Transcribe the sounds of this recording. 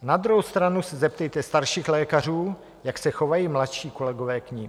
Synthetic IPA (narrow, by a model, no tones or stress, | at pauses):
nad̪ɾuɦowst̪ɾanusɛzɛp̚t̪ɛjt̪ɛst̪aɾʃiːxlɛːkar̝uː | jaksɛxo̞vajiːmlat̪ʃiːko̞lɛɡo̞vɛːkɲi